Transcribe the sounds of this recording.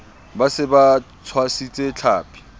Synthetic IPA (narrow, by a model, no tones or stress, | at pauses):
basɪba | t͡sʰwasit͡sʼet͡ɬʰaːpʰʼi̥